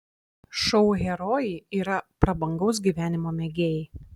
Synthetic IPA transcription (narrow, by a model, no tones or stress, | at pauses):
ʃɔʊɣʲɛɾɔːjiiːɾɐpɾɐbɐŋɡɒʊs̬ɡʲiːʋʲæːnʲɪmoːmʲɛɡʲeːjɪ